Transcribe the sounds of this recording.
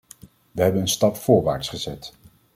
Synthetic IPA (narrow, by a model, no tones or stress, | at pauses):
ʋəɦɛbənənstɑpfʊːɹʋa̰ːɹtsχəzɛt